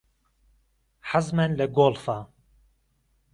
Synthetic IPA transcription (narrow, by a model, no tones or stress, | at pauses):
ħazmɛnlɛɡoːlfa